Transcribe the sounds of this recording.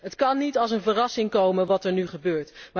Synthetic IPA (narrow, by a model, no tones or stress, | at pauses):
ɦətkɑnːitɑlˠs̬ənvərɑsɪŋkowmənʋɑtɛɹnyχəbøːɹtma